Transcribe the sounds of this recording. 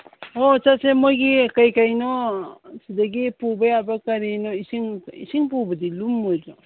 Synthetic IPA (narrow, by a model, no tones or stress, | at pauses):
ot͡ʃasemojɡikajkajnosidaɡipubajabakaɾinoisiŋḭsiŋpubɐdilumːojba